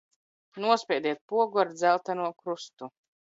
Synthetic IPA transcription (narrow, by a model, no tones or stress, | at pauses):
nuɔspʲɛd̪iɛt̪̚puɔɡuaɾd̪zælˠt̪anuɔkɾust̪u